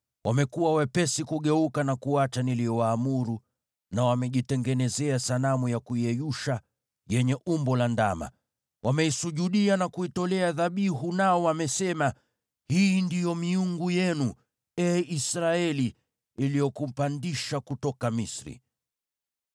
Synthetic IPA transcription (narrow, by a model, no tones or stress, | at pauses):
wʔamɛkuwawɛpɛsikuɠɛukanakuat͡ʃanilijɔwaːmuɾu | nawamɛʄitɛŋɡɛnɛzɛasalamujakuiɛjuʃa | jɛɲɛʔumbɔlanda̰ma̰ | wʔamɛisuʄuɗianakuitɔlɛaðaɓiɦunaɔwamɛsɛma | hiːndijɔmiuŋɡujɛnu | ɛisɾaɛliː | lijɔkum̩pandiʃakutɔkamisɾḭ